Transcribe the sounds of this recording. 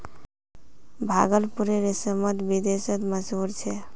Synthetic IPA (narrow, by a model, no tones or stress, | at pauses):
bʱa̰ɡəlpuɾeɾesəmət̪bid̪esət̪məd͡ʒɦuɾt͡ʃʰɛ